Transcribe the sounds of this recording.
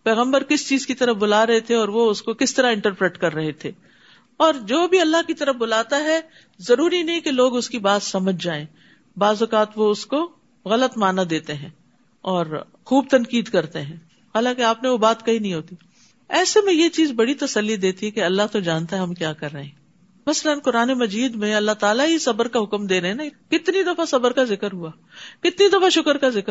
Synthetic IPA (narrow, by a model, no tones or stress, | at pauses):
pɛːɣə̃mbəɾkɪst͡ʃiːzkit̪ɐɾəfbʊlaːɾɐɦet̪ʰeɔːɾʋoʊskokɪst̪ɐɾaɪ̃ɳʈəɾpɾeːʈkɐɾːɐɦet̪ʰeː | ɔːɾd͡ʒoːbʱiɐlːaɦkit̪ɐɾəfbʊlaːt̪aɦɛ | zɐɾuːɾinɐɦĩkeloːɡʊskibaːt̪sɐməd͡ʒʱd͡ʒaːẽː | baːzʊkaːt̪ʋoʊsko | ɣɐlət̪maːnad̪eːt̪eɦɛ̃ː | ɔːɾ | xuːb̚t̪ɐ̃nkiːd̪kɐɾt̪eɦɛ̃ː | haːlãːkeaːpneʋobaːt̪kɐɦinɐɦĩɦoːt̪i | ɛːsemẽjet͡ʃiːzbɐɽit̪ɐsəlːid̪eːt̪iɦɛ̃keɐlːaɦt̪od͡ʒaːnt̪aɦɛɦɐmkjaːkɐɾːɐɦẽ | mɐsələnkʊɾaːnemɐd͡ʒiːd̪mẽɐlːaɦt̪aːlaɦisɐbəɾkaɦʊkmd̪eːɾɐɦɛ̃nakɪt̪nid̪ɐfasɐbəɾkazɪkəɾɦuaː | kɪt̪nid̪ɐfaʃʊkəɾkazɪk